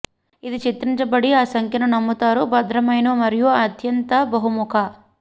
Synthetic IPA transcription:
id̪it͡ʃit̪ɾiɲt͡ʃɐbɐɽiaːsɐŋkʰjɐnunɐmːut̪aːɾubɐd̪ɾɐmɐjnoːmɐɾijuɐd̪ʱjɐnt̪ɐbɐɦumukʰɐ

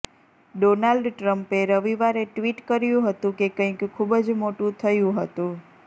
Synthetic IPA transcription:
ɖonalɖʈɾəmpeɾəʋiʋaɾeʈʋiʈkəɾjũɦət̪ũkekə̃ĩkkʰubd͡ʒmoʈũt̪ʰəjũɦət̪ũ

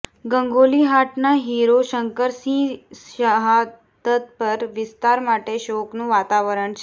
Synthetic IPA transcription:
ɡəŋɡoliɦaʈnaɦiɾoʃəŋkəɾsĩʃəɦa | t̪ət̪̚pəɾʋɪst̪aɾmaʈeʃoknũʋat̪aʋəɾəɳt͡ʃʰe

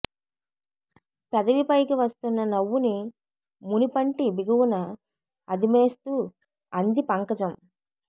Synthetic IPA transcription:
pɐd̪ɐʋipɐjkiʋɐst̪unːɐnɐʋːuni | munipɐɳʈibiɡɐwunɐ | ɐd̪ime̞ːst̪u | ɐnd̪ipɐŋkɐd͡ʒɐm

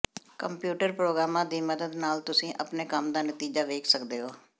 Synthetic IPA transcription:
kəmpjuːʈəɾpɾoːɡɾaːmãːd̪iːməd̪əd̪naːlt̪ʊsĩːʔəpneːkəmd̪aːnət̪iːd͡ʒaːʋeːkʰsəkd̪eːɦoː

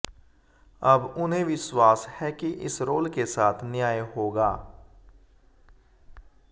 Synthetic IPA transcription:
ɐbʊnɦẽʋɪswaːshɛkiʔɪ̰sɾoːlkesaːt̪ʰnjaːjeɦoːɡaː

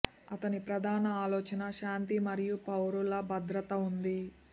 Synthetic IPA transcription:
ɐt̪ɐnipɾɐd̪ʱaːnɐaːlɔːt͡ʃɐnɐʃaːnt̪imɐɾijupɐwɾulɐbɐd̪ɾɐt̪ɐund̪i

